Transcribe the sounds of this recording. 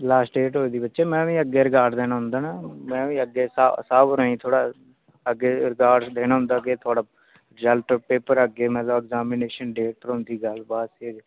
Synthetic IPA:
laːsʈɖeːʈɦoːiːd̪iːbətːʃeːmɛ̃ːʋĩːəɡːeːɾɪkaːɾɖd̪eːnaːɦʊ̃nd̪aːnamɛ̃ːʋĩːəɡːeːssaːbɾə̃ːĩːt̪ʰoːɽaː | əɡːeːɾɪkaːɾɖd̪eːnãːɦʊ̃nd̪aːəɡeːt̪ʰʊaːɽaː | ɾɪzəlʈpeːpəɾəɡeːmɛ̃ːt̪ləbɛɡzaːmɪneːʃənɖeːʈɾõːnd̪iːɡəlbaːseːd͡ʒ

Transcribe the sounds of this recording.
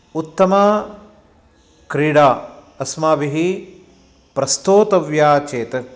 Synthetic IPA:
ut̪ːɐmaː | kɾiːɽaː | ɐsmaːʋiɦi | pɾɐst̪oːt̪ɐʋjaːt͡ʃeːt̪

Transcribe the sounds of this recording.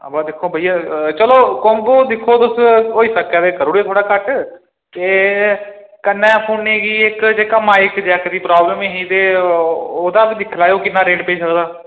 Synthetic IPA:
baːd̪ɪkʰːoːbʱəijaːt͡ʃəloːkɔmɡoːd̪ɪkʰːoːt̪ʊsɦoːiːsəkːɛːt̪eːkəɾuːɽeːt̪ʰoːɽaːkəʈ | teː | kənːɛ̃ːpʰoːnneːɡiːɪkd͡ʒeːkamaːɪkd͡ʒɛːkd̪iːpɾaːbləmeːɦiːt̪eː | oːd̪ãːbid̪ɪkʰlaːeoːkɪnːãːɾeːɖpeːd͡ʒsəkd̪aː

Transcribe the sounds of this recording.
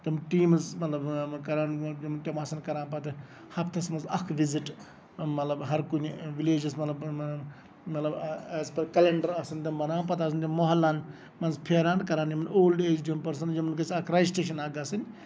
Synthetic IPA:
t̪ʲɐmʈiːmzmɐt̪lɐbkɐɾaːnjɐmnt̪ʲɐmaːsɐnkɐɾãːnpɐt̪ɨ | hɐpʰt̪ʰɐsmɐzɐkʰʋiziʈ | mɐt̪lɐbɦɐɾkunʲʋileːd͡ʒɐsmɐt̪lɐb | mɐt̪lɐbɛːzpɐɾkɐleɳɖɐɾasɐnt̪ʲɐmbɐnaːnpɐt̪ɐːs̬ɐnt̪ʲɐmmːoɦɐlːaːn | mɐnzpʰeːɾaːnkɐɾaːnjimɐnoːlɖeːzɖiɐmpɐɾsɐnd͡ʒɐmɐnkɐsɐkʰɾaːjsʈeːʃ̬ɐnaːɡɐsɐn

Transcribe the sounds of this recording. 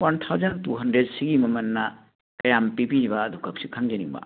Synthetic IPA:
want̪ʰawzantuɦɐndɾed̚siɡimɐmɐnːa | kɐjampipid͡ʒiβadʱukʰak̚sikʰaŋd͡ʒeniŋba̰

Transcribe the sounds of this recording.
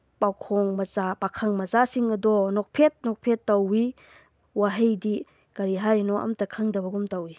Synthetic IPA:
pawkʰɔŋmɐzabakʰɐŋmɐzasiŋɐdɔnɔk̚pʰet̚nɔk̚pʰetːɐwi | waɦɐjdi | kɐɾiɦaɾinɔʔɐ̰mtɐkʰɐŋdɐbɐɡumtɐwi

